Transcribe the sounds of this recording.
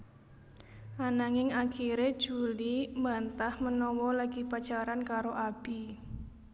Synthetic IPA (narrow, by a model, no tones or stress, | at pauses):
ʔanaŋɪŋakʰiɾed̥ʒ̥ṳlimbant̪ahmənɔwɔlaɡ̥ipad̥ʒ̥aɾankaɾoʔab̥i